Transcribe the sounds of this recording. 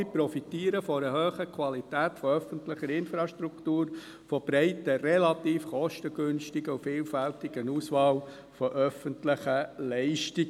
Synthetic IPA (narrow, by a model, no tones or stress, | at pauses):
ɪpɾɔfitiːəɾəfɔɾəhøːχəkʰʋɑlitæːtfɔœfəntlɪχəɾɪnfɾɑʃtɾuktuːɾ | fɔb̥ɾɛɪtərɛlɑt̪iːfχɔʃtəɡʏnʃtɪɡəufɪːlfæltɪɡənuːsʋɑːw | fɔʔœfəntlɪχəlɛɪʃtɪɡ